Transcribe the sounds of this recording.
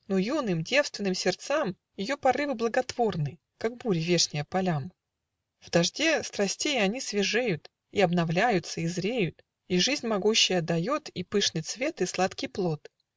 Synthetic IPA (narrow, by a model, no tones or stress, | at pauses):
nojunɨmdʲe̞fst̪vʲɪnɨmsʲɪrt̪sam | jɪjo̞pɐrɨvɨblˠəɡɐt̪v̥o̞rnɨ | kak̚buɾʲɪvʲe̞ʂnʲɪjəpɐlʲam | vd̪ɐʐdʲe̞st̪ɾɐsʲtʲejɐnʲisvʲɪʐejʊt̪ | iɐbnɐvlʲæjʊt̪səizɾʲejʊt̪ | iʐɨzʲnʲmɐɡuɕːɪjəd̪ɐjo̞t̪ipɨʂnɨjt̪svʲe̞t̪ɨslˠat̪kʲijplˠo̞t̪